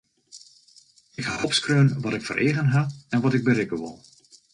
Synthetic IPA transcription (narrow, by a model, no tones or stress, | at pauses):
ɪkhɔpskrøːnʋɔtɪkfə̰ɾʔeːɣənɦaɛnʋɔtɪɡ̚bəɾɪkəʋɪ̰lˠ